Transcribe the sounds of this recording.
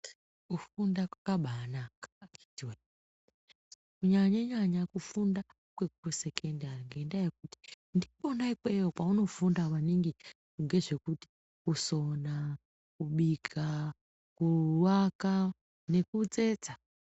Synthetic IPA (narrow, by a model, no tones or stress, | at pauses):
kufundakwakaɓanakḁaki̥tiwe | kuɲaɲaɲaɲakufunda | kwe̞kuruse̞kʰendariŋɡe̞ndajek̚uti̥ | ndiponaikwejopauno̞fundawaniŋɡi | uŋɡe̞ʐe̞kuti̥ | kuso̞na | kuɓiɡʰa | kuwaka | ne̞kud͡ze̞ːd͡za